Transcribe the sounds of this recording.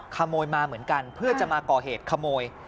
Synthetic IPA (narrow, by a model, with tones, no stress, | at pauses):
kʰa˧mːoː˧jmaː˧mɯ˩˦ənka˧npʰɯ˥˩ɐt͡ɕa˨˩ʔmaː˧kɔː˨˩ɦeː˨˩t̪̚kʰa˧mːoː˧j